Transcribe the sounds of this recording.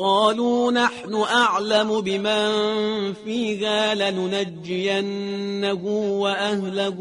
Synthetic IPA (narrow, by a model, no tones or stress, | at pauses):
qɑːluːnaħnʊʔaʕlamʊbɪmanfiːɣaːlanʊnad͡ʒːɪjanːahʊːwaʔahlak